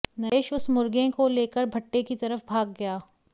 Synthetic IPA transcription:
nɐeːʃʊsmʊɾɡẽkoleːkəɾbʱɐʈːekit̪ɐɾəfbʱaːɡ̚ːɐjaː

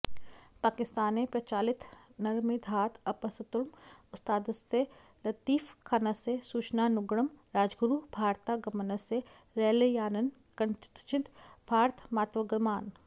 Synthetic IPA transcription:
paːkɪst̪aːnepɾɐt͡ʃaːlɪt̪nɐɾmid̪ʱaːt̪ɐpɐsət̪ɾmʊt̪st̪aːd̪st̪e | lɐt̪iːfkʰaːnasesuːt͡ʃnaːnʊɡɽəmɾaːd͡ʒɡɾuːbʱaːɾt̪aɡɐmənəse | ɾɛːlejaːnɐn | kɐnt͡ʃɪt̪bʱaːɾt̪ʰmaːt̪ʋəɡəmaːn

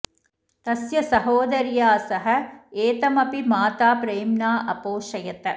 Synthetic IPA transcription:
t̪ɐsjɐsɐɦoːd̪ɐɾjaːsɐɦɐ̆eːt̪ɐmɐpimaːt̪aːpɾejmnaːʔɐpoːʃɐjɐt̪ɐ

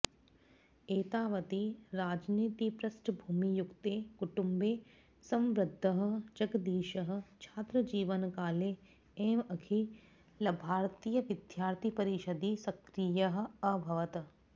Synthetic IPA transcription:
eːt̪aːʋɐt̪iɾaːd͡ʒniːt̪ipɾɐsʈʰbʱuːmijʊkt̪eːkuʈumbeː | sɐ̃mʋɾɪd̪ʱːɐɦə̆d͡ʒɐɡd̪iːʃɐɦə̆t͡ʃʰaːt̪ɾəd͡ʒiːʋənkaːleː | eːmɐkʰi | lɐbʱaːɾt̪iːjəʋɪd̪jaːɾt̪ʰipɐɾiʃɐd̪isɐkɾijɐɦ̆ɐbʱɐʋɐt̪

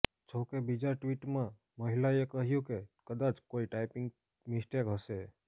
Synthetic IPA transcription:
t͡ʃʰokebid͡ʒaʈʋiʈmã | məɦɪlaekəɦjũkekəd̪at͡ʃkoiʈaɪpɪ̃ŋɡ | mɪsʈekɦəse

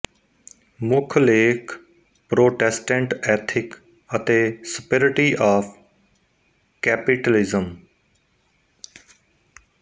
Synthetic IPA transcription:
mʊkʰleːkʰ | pɾoːʈɛsʈə̃ɳʈɛːt̪ʰɪk | ət̪eːsɪpeɾɪʈiʔaːf | kɛːpɪʈəlɪzəm

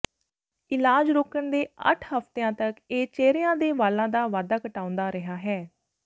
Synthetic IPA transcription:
ɪlaːd͡ʒɾoːkəɳd̪eːə̰ʈʰhəft̪eãːt̪əkeːt͡ʃeːɾejãːd̪eːʋaːlãːd̪aːʋaːd̪aːkəʈaːʊ̃nd̪aːɾəɦaːɦɛː

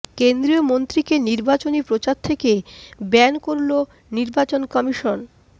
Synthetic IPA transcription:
kend̪ɾiomont̪ɾikeniɾbat͡ɕonipɾot͡ɕaɾt̪ʰekebɛnkoɾlo | niɾbat͡ɕonkɔmiʃon

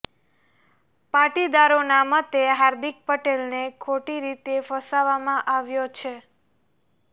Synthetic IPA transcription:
paʈid̪aɾonamət̪eɦaɾd̪ik̚pəʈelnekʰoʈiɾit̪efəsaʋamãʔaʋjot͡ʃʰe

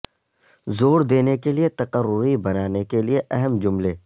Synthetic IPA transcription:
zoːɾd̪eːnekeliet̪ɐqəɾʊɾibɐnaːnekelieʔɛɦəmd͡ʒʊmleː

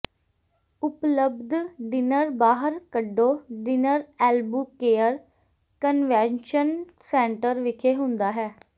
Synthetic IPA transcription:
ʊpləbd̪ɖɪnəɾbaːɦəɾkəɖːoːɖɪnəɾɛːlbuːkeːəɾ | kənʋɛ̃ːnʃən | sɛːɳʈəɾʋɪkʰeːɦʊ̃nd̪aːɦɛː

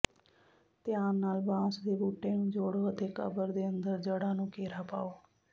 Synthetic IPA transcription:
t̪jãːnaːlbãːsd̪eːbuːʈːeːnũːd͡ʒoːɽoɦət̪eːkə̰bəɾd̪eːə̃nd̪əɾd͡ʒəɽãːnũːkeːɾaːpaːoː

